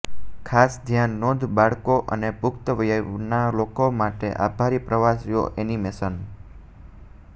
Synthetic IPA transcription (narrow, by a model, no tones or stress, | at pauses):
kʰasd̪ʱjanːod̪ʱbaɭkoʔə̰nepʊkt̪əʋjənalokomaʈḛʔa̰bʱaɾipɾəʋasijo̰ʔenimesən